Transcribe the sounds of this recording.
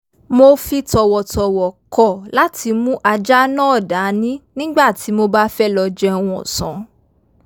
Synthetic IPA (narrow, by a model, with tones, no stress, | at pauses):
mo˧fi˧tɔ˨wɔ˨tɔ˨wɔ˨kɔ˨la˦tʰi˧mũ˦ʔa˧d͡ʒa˦nɔ̃˦ɔ˦˨da˨˦nĩ˦nĩ˦ɡ͡ba˦˨ti˨˦mo˧ba˦fɛ˦lɔ˧d͡ʒɛ˧w̃ɔ̃˧ɔ̰˨sɔ̰̃˨˦